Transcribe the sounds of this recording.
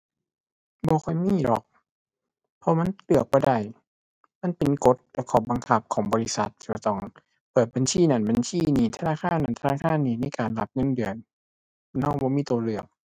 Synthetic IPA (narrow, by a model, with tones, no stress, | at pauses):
bɔː˧˦xʰɔ˧˩˨jmiː˧˥˨lɔ˨˩k̚ | pʰɔ˧˦ma˧˥˨nlɯ˨˩ək̚bɔː˧˦da˧˩j | ma˧˥˨npe˨nko˧˦t̪̚lɛː˧˥kʰɔː˧˩ba˨˧ŋkʰa˧˦p̚kʰɔː˩˦ŋbɔː˧li˦˧˥sa˧˦t̪̚ʰːi̥ː˧˩bɔ˧˩t̪ɔ˧˩ŋ | pɤː˨˩t̪̚ba˨nsiː˧˥˩na˧˩nba˨nsiː˧˩˨niː˧˩t̪ʰa˧naː˧˥˨kʰaː˧˥˨nːa˧˨nt̪ʰa˧aː˧˥˩kʰaː˧˥˨nːiː˧˩˨na˧˥˨jkaː˨nla˧˦p̚ŋɤ˧˥˨ndɯ˨˩ən | nɔː˧˥˨bɔː˧˦miː˧˥˨t̪uː˨˧˦lɯ˨˩ək̚